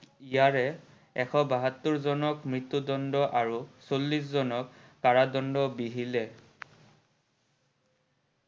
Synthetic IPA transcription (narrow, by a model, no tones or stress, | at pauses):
ijaɹɛ | ɛxʰɔbaɦatːʊɹzɔnɔkmɹitːudɔndɔʔaɹusolːiszɔnɔkːaɹadɔndɔbiɦilɛ